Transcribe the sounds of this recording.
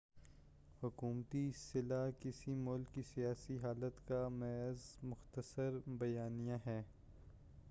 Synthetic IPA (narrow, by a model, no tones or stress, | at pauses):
hʊkuːmt̪isɪlaːkɪsimʊlkːisijaːsiɦaːlət̪kamɛːzmʊxt̪əsəɾbɐjaːnijãɦɛː